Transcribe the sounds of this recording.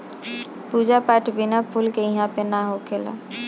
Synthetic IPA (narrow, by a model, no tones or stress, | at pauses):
pud͡ʒapaʈʰbɪnapʰulkeĩɦãpenaɦokʰela̰